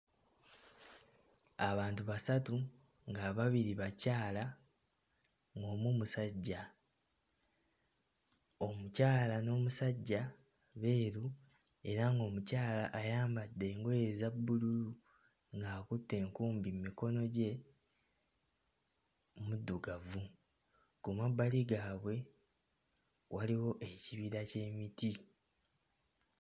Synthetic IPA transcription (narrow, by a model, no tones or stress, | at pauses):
aβaːntuβasatu | ŋɡaβaβiɾiβacaːla | ŋɡo̞ːmumusaɟːa | o̞mucaːlano̞ːmusaɟːa | βe̞ːɾu | e̞ɾaŋɡo̞ːmucaːlaʔːjaːmbadːe̞ːŋɡojezabːululu | ŋɡaːkutːe̞ːŋkuːmbimːiko̞no̞ɟe̞ | mudːuɡavu | kumabaliɡaːβwe̞ | wʔaliwo̞ʔe̞ciβiɾace̞ːmiti